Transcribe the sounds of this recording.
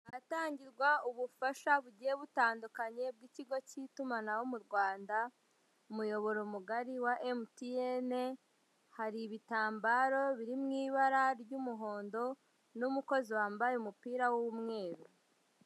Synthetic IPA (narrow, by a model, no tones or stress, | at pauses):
aataːɲɟiɾɡwauβufaʃaβuɟieβutaːndukaɲe̞b̚ɡiciɡo̞citumanawomuɾɡwaːnda | umujo̞βo̞ɾomuɡaɾiwaʔemtiene | haɾiβitaːmbaːɾo̞βiɾimŋiːβaɾaɾɟumuɦo̞ːndo̞ | numuko̞ziwaːmbajeumupiːɾawowumŋe̞ːɾu